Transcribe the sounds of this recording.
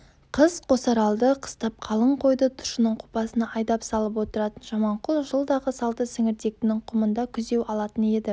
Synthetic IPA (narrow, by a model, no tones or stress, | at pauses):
qʰəz̥qʰo̞sɑɾɑlˠd̪əqʰə̥st̪ɑp̚qʰɑlˠəɴqʰo̞jd̪ət̪ʰʊ̥ʃənəɴqʰʊ̥pɑsənɑʔɑjd̪ɑpsɑlˠəp̬wo̞t̪əɾɑt̪ənʒɑmɑɴqʰʊlˠʒəlˠd̪ɑʁəsɑlˠt̪əsɪŋɪɾd̪e̞k̚t̪ɪnɪŋqʰʊmənd̪ɑkʲʰʏze̞wɑlˠɑt̪əne̞d̪ɪ